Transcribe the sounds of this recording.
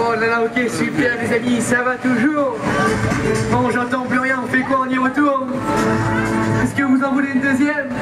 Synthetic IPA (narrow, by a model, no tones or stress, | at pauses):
olalaokʲesypɛʁd̪ezamisavat̪uʒuːʁ | bɔ̃ʒɑ̃t̪ɑ̃plyʁjɛ̃ɔ̃fɛkwaɔ̃njiɔʁət̪uʁ | ɛskəvuzɑ̃vuleynd̪øzjɛm